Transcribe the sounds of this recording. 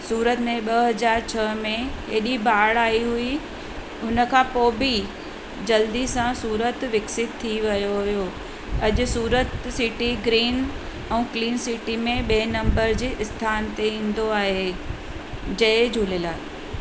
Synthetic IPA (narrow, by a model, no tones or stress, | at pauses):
suːɾət̪mẽɓɐɦɐd͡ʑaːɾt͡ɕʰɐmẽɦeːɗibaːɽaːiɦʊi | ɦʊnə̆kʰãpoːbi | d͡ʑɐld̪isãsuːɾət̪ʋɪksɪt̪ʰːiʋɐjoɦʊijo | ɐʄʊ̆suːɾət̪sɪʈiɡɾiːn | ɛ̃ːkliːnsiʈimẽɓeːnɐ̃mbəɾd͡ʑeːʔɪst̪ʰaːnt̪eĩːn̆d̪oaːɦe | d͡ʑɐɦɪd͡ʑʱuːlelaː